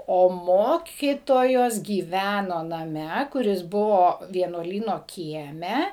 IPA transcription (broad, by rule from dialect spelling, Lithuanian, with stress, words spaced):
ˈoː ˈmoːkʲiːtoːjoːs ɡʲiːˈʋʲænoː nɐˈmʲɛ kʊˈrʲɪs ˈbʊʋoː ʋʲiɛnuɔˈlʲiːnoː ˈkʲiɛmʲɛ